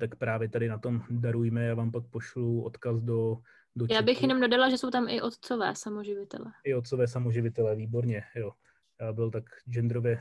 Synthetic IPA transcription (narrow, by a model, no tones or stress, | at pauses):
t̪akpɾaːvjɛt̪adɪnat̪o̞mdaɾujmɛjaːvaːmpak̚poʃluʔo̰t̪kasdo̞ | dojaːbɪxjɛno̞mdo̞dalaʒɛso̞wt̪amʔɪʔot̪t͡sovɛ̰ːsamoʒɪvɪt̪ɛ̰lɛʔɪot̪̚t͡sovɛːsamoʒɪvɪt̪ɛlɛviːbo̞ɾɲɛjo | jaːbɪlt̪akd͡ʒɛnd̪ɾovjɛ